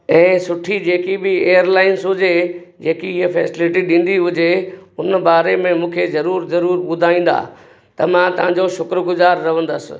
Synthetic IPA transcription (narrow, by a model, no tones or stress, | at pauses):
ɛ̃ːsʊʈʰid͡ʑeːkibɪeːjəɾlaːɪnsɦʊd͡ʑed͡ʑeːkiɪɦfɛ̰ːsɪlɪʈiɗĩːn̆d̪iɦʊd͡ʑeʊnbaːɾemẽmũːkʰezɐɾuːɾzɐɾuːɾɓʊd̪ʱaːĩːn̆d̪a̰ː | t̪ɐmãt̪ɐɦãɲd͡ʑoʃʊkɾəɡʊzaːɾːɐʋ̤ə̃n̆d̪əsɪ̰̆